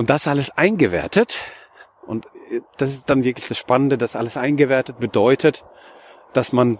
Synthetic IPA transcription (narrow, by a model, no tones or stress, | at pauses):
ʔʊnt̚d̥asʔaləsʔaɪnɡəvɛ̰ɐtʰət | ʔʊ̰ntd̥asɪstd̥anvɪɐklɪçd̥asʃpanəndədasʔa̰ləsʔaɪnɡəvɛɐtət̚b̥ədɔʏtʰət | d̥asman